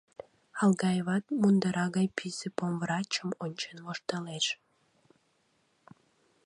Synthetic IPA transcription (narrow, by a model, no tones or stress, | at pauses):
ɑlˠɡɑjβɑt̪mund̪ɑɾɑɣɑjpʰizepomvrɑt͡ɕəmonʲt͡ɕenʋoʃt̪ɑleʃ